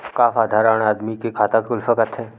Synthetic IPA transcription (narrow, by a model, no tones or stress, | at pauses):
kaːfaːd̪ʱaːɾəɽ̃aːd̪mikekʰaːt̪akʊlfəkət̪ʰeː